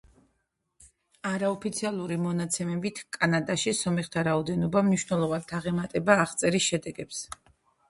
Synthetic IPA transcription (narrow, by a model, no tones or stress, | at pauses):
aɾaɔpʰit̪sʰialˠuɾimɔnat̪sʰɛmɛbit̪ʰkʼanad̪aʃisɔmɛχt̪ʰaɾaɔd̪ɛnɔbamniʃwnɛlˠɔvand̪ʰaʁɛmat̪ʼɛbaːχt̪sʼɛɾisʃɛd̪ɛɡɛps